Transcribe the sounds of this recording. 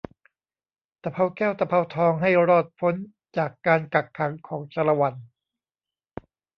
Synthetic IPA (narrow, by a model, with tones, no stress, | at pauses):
t̪a˧pʰa˧wkɛː˥˩wt̪a˧pʰa˧˥wt̪ʰɔː˧ŋɦa˥˩jɾɔː˥˩t̪̚pʰo˦˥n | t͡ɕaː˨˩kːaː˧nka˨˩kʰːa˩˦ŋkʰɔː˩˦ŋt͡ɕa˧la˧wa˧n